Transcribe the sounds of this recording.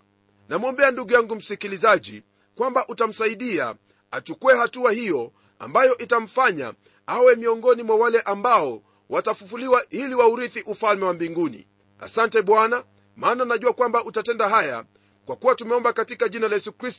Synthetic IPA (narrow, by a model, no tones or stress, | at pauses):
namɔmbɛanduɡujaŋɡum̩sikilizaʄḭ | kwambaʔutam̩saiɗia̰ | at͡ʃukuwɛhatuahijɔ | a̰mbajɔʔitam̩faɲa̰ | awɛmiɔŋɡɔnimwawalɛʔambaɔ | watafufuliwaʔiliwauɾiθiʔufalmɛwambiŋɡunḭ | a̰santɛɓwana | maːnanaʄuakwambaʔutatɛndaɦaja̰ | kwakuwatumɛɔmbakatikaʄinalajɛsukɾist